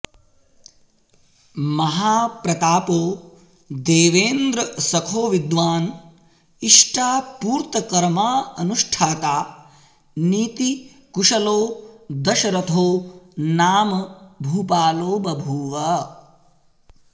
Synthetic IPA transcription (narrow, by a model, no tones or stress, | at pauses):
mɐɦaːpɾɐt̪aːpoː | d̪eːʋeːnd̪ɾɐsɐkʰoːʋid̪ʋaːn | iʂʈaːpuːɾt̪ɐkɐɾmaːɐnuʂʈʰaːt̪aː | niːt̪i | kuʂɐloːd̪ɐʃɐɾɐt̪ʰoːnaːmɐbʱuːpaːloːbɐbʱuːʋɐ